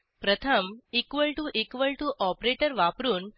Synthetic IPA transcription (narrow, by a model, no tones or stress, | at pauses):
pɾət̪ʰəmikʋəɭʈuʔikʋəɭʈuʔɔpɾeʈəɾʋapɾuːn